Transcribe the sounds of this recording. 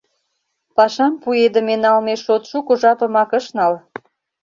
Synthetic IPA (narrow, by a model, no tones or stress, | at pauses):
pɑʃɑmpued̪ə̆menɑlmeʃot̪ʃukŏʒɑpə̆mɑkə̆ʃnɑl